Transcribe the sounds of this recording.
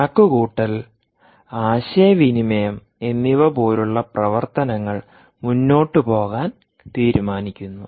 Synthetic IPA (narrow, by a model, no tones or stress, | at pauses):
kːukuːʈːɐl | aːɕeɐʋinimɐjɐm | e̞nːiʋɐbo̞ːɾuɭːɐprɐʋɐrt̪ɐnɐŋːɐɭ | munːo̞ːʈːɨpo̞ːɣaːn | t̪iːɾumaːnikʲːunːu